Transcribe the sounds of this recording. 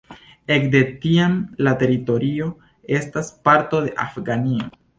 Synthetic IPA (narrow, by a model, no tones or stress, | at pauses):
e̞kde̞tiamlate̞ɾito̞ɾio̞ | e̞staspaɾto̞de̞ʔa̰fɡanio